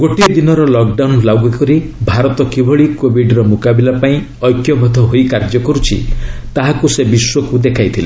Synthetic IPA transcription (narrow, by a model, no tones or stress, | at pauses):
ɡoʈiɔd̪inɔɾɔlɔkɖawnlawɡɔkɔɾibʱaɾɔt̪ɔkibʱɔɭikobʱiɖɾɔmukabilapaĩ | ɔjkjɔbʱɔd̪ʱɔɦojkaɾd͡ʒɔkɔɾut͡ʃʰḭt̪aɦakusebiswɔkud̪ekʰajt̪ʰile